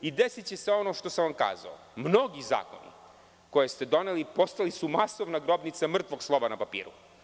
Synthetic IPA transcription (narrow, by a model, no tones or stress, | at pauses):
id̪esit͡ɕe̞seo̞noʃt̪o̞samʋamka̰ːza̰o̰ | mno̞ɡiza̰ːko̞̰nḭ | ko̞je̞st̪e̞d̪o̞nelipo̞st̪alisumasoʋnaɡɾo̞bnit̪samr̩t̪ʋo̞ɡslˠo̞ʋanapapḭːɾu